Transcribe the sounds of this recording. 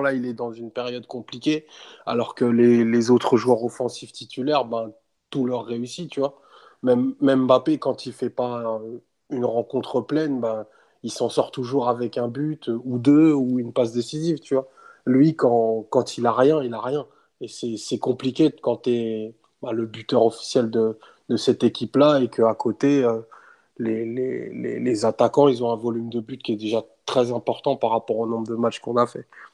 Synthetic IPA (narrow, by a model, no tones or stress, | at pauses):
lailɛd̪ɑ̃zynpeʁjɔd̪kɔ̃plikʲea̰lɔʁkəlelezot̪χəʒuœʁɔfɑ̃sift̪it̪ʰylɛʁbɛ̃ | t̪ulœʁːeysit̪yvwa | mɛmːɛmbapekɑ̃t̪ʰilfɛpaø | ynʁɑ̃kɔ̃t̪χəplɛnbã | ilsɑ̃sɔʁt̪uʒuʁavɛkɛ̃byt̪øud̪øuynpas̬d̪esizivt̪yvwa | lɥikɑ̃kɑ̃t̪ʰilaʁjɛ̃ilaʁjɛ̃ | esɛsɛkɔ̃plikʲekɑ̃t̪ɛ | baləbyt̪œʁɔfi̥sjɛld̪ə | d̪əsɛt̪ekʲiplaekəakʰot̪eø | lelḛlḛlezat̪akɑ̃ilzɔ̃ɛ̃vɔlymd̪əbyt̪̚kʲiɛd̪eʒat̪χɛzɛ̃pɔʁt̪ɑ̃paʁːapɔʁonɔ̃bʁd̪əmat͡ʃkɔ̃nafɛ